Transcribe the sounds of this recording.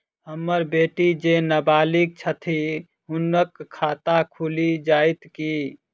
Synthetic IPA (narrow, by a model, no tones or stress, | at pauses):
ɦəmːəɾbeːʈid͡ʒenəbaːlik̚t͡ʃʰət̪ʰi | ɦʊnəkʰːaːt̪akʰulid͡ʒaːit̪ki